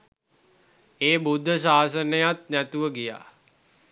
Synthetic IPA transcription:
eːbud̪ʱːəs̬aːsənəjat̪næt̪uʋəɡija̰ː

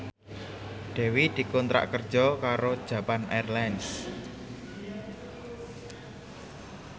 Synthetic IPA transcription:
ɖ̪̥ɛ̤wid̪̥i̤kɔnt̪ɾa̰ʔkərd̥d͡ʒ̥ɔkaɾod̥ʒ̥ä̤panarlans

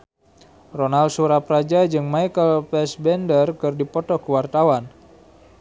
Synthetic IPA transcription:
ronalsuɾapɾad͡ʒad͡ʒɨŋmaikəlpɛsbɛndərkɨrdipɔt̪ɔkəwart̪awan

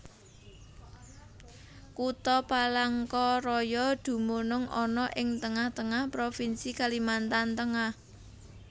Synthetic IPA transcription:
kut̪ɔpalaŋkɔrɔjɔd̪̥ṳmonʊŋʔɔnɔʔɪŋt̪əŋaht̪əŋahpɾofinsikalimant̪ant̪əŋah

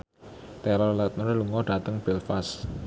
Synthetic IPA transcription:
t̪ɛlɔlɛt̪̚məɾluŋɔɖ̥a̤t̪əŋb̥elfas

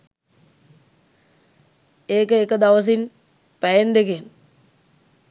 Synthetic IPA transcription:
eːkəekəd̪aʋəs̬in | pæjend̪eken

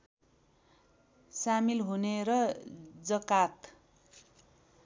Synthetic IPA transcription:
samilɦuneɾʌd͡zʌkat̪

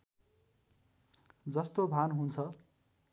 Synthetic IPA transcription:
d͡zʌst̪obʱanɦunt͡sʰʌ

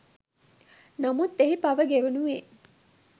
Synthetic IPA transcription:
nɐmut̪ːeɦipɐʋəɡeʋenuʋeː

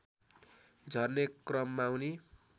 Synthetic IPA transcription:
d͡zʱʌrnekrʌmːawni

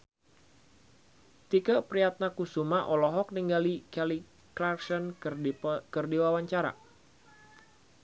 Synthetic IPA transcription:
t̪ikəʔpɾiat̪̚nakusumaʔɔlɔɦɔk̚niŋɡalikali | klarksɔn | kərdiwawaɲt͡ʃaɾa̰

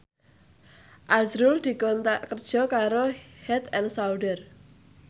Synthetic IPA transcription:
ʔazɾʊld̪̥i̤kɔnt̪aʔkərd̥ʒ̥ɔ̤kaɾohɛt̪ɛnsawɖər

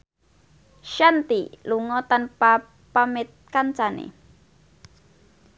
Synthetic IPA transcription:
ʃant̪iluŋɔt̪anpa | pamet̪̚kant͡ʃanḛ

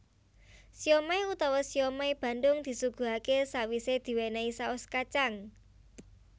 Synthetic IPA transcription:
siomajut̪ɔwɔsiomajb̥ä̤nd̪ʊŋd̪̥i̤suɡ̥ṳɦakesawised̪̥i̤wenaisaɔskat͡ʃaŋ

